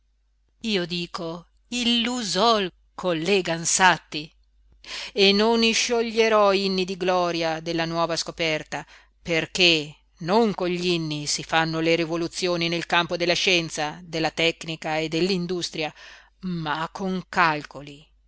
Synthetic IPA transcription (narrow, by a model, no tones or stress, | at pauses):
iːod̪iːko | ilːuzɔl | kʰolːeɡansat̪ːi | enːoniʃoʎːeɾɔinːid̪iɡlɔːɾjad̪elːanwɔːvaskopɛrt̪a | perke | noŋkoɲʎinːisifanːoleɾivolut̪sːjoːninelkampod̪elːaʃɛnt̪sad̪elːat̪ɛknikaed̪ːelːind̪ust̪ɾja | makʰːoŋkalkoli